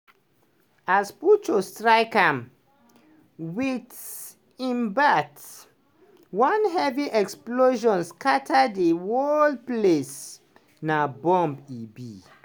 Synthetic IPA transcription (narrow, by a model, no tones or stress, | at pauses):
asput͡ʃostɹaɪkãm | wit | ĩmbat | wɔ̃nɦɛviʔɛksploʒɔ̃nskatʰadewɔldples | nabɔ̃mbibi